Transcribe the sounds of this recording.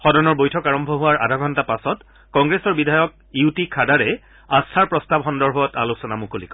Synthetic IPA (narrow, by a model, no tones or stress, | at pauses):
xɔdɔɹnɔɹbojtʰɔkaɹɔmbʱɔɦuwaɹʔa̰dʱaɡʱɔntapasɔt | kɔŋɡɹesɔɹbidʱajɔk̚ | iutikʰadaɹɛ | astʰaɹpɹɔstabxɔndɔɹbʱɔta̰losɔnamukolḭkɔ